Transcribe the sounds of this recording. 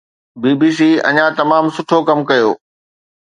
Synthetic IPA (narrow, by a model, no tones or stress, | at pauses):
biːbiːs̬iːɐ̰ɲãt̪ɐmaːmsʊʈʰokɐmkɐjo̰ː